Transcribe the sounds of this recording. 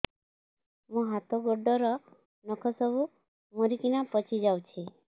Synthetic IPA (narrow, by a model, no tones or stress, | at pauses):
mũɦat̪oɡɔɖɔɾɔ | nɔkʰɔsɔbu | moɾikinapɔt͡ʃʰid͡ʒawt͡ʃʰi